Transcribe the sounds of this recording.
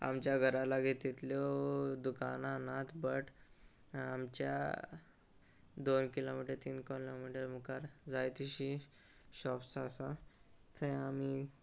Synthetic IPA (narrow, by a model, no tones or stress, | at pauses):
a̰mt͡ɕjaɡʱəɾalaɡʱet̪ːit̪ljod̪ukananat̪ʰbəʈ | amt͡ɕja̰ | d̪onkilomiʈəɾt̪iːnkɔlomiʈəɾmukaɾd͡zajt̪iɕi | ɕɔpsasa | t̪ʰəami